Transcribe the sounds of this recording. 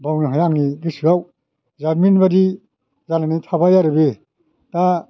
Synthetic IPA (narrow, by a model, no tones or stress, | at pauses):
bawniɦajaŋniɡɯsɯaw | zaɾminbadi | zananijtʰabajaɾɯbe | ta